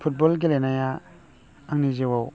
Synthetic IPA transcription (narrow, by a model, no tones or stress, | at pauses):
pʰut̚bɔlɡilenajaː | ŋnizewaw